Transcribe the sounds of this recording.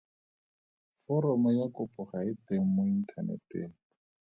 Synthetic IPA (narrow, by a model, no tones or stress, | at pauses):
fɔɾɔmɔjakʊpʰʼʊχaɪteŋ̩mʊin̩tʰanɛ̰teːŋ